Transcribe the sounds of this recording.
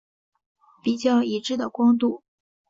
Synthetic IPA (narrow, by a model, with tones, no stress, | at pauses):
pi˨˩t͡ɕjɑ˥˩ʊi˧˥ʈ͡ʂɻ̩˥˩d̪ə˩kwɑ˥ŋt̪u˥˩